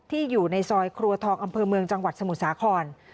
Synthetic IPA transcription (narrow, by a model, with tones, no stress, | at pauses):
t̪ʰiː˥˩juː˨˩na˧jsɔː˧jkʰɾu˧ɐt̪ʰɔː˧ŋʔa˧mpʰɤː˧mɯ˧əŋt͡ɕa˧ŋwa˨˩t̪̚sa˧mu˨˩t̪̚saː˩˦kʰɔː˧n